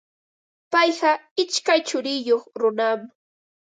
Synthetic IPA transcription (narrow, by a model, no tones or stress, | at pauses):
pɑjɢɑɪt͡ʃkajt͡ʃʊɾɪjoχɾʊnam